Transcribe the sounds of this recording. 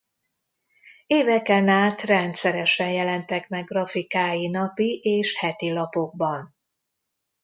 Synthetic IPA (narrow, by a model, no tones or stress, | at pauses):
eːvɛkɛnaːt̪rɛnt̪sɛɾɛʃɛnjɛlɛnt̪ɛkmɛɡːrɒfikaːjinɒpiʔeːʃhɛt̪ilɒpo̞ɡ̚bɒn